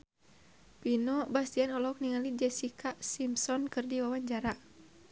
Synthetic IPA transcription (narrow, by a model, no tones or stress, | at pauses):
pinɔbast̪ianɔlɔk̚niŋalid͡ʒɛsikʰasimsɔnkɨrdiwawaɲd͡ʒaɾa